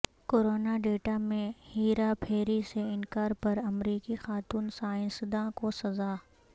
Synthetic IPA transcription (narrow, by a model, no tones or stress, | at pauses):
koːɾoːnaɖeːʈamẽhiːɾapʰeːɾiseɪnkaːɾpɐɾɐmɾiːkixaːt̪uːnsaːɪ̃sd̪ãkosɐzaː